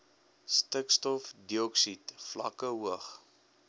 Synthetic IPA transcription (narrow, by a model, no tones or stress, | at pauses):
stəkstɔfdiɔksitflɐ̰kəɦuəχ